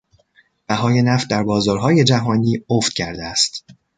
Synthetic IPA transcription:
b̥æɦɒːje̞næft̪̚d̪æɾbɒːzɒːɾɦɒːje̞d͡ʒæɦɒːniːoft̪̚cʰæɾd̪eæst̪

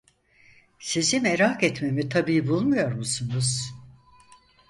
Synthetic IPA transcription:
sizimeɾakɛt̪me̞mit̪ʰabiːbulˠmujo̞ɾmusunuz̥

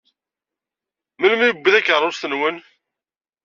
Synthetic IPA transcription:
məlmibːəðækːəɾˤːʊsθənwən

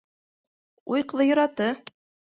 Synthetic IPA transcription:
ujq̆ðɤjŏɾɑt̪ɤ

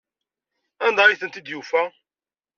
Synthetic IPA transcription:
ænd̪ɑjiθənt̪id̪jufæ

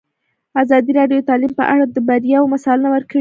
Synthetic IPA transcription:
azɑd̪iɾɑɖjot̪ɑlimpəʔa̰ɽad̪əbaɾjɑwomasɑlnawəɾkəɽi

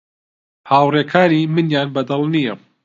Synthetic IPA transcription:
haːwreːkʰaːniːmɨnjaːnbɐd̪ɐlˠnijɐ

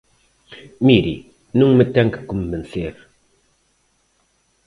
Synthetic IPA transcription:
miɾḭ | nũŋmət̪ɛŋkɨ̥kumvɛnseɾ

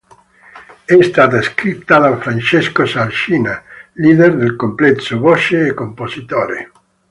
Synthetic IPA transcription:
ɛst̪aːt̪askɾit̪ːad̪aɱfɾant͡ʃeskosalʃiːnaliːd̪erd̪elkomplɛt̪sobɔʃeːkːomposit̪oːɾḛ

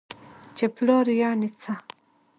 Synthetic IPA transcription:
t͡ʃeplɑɾjanit͡sa

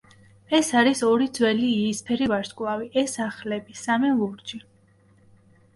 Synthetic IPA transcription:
ɛsaɾisɔɾid̪zwɛliːspʰɛɾivaɾskʼlˠaviʔɛsaχlɛbisamɛlˠuɾd͡ʒi

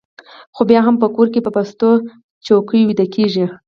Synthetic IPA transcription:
xobjɑɦampəkoɾkepəpast̪o | t͡ʃawkəjwid̪əlkʰeʒi

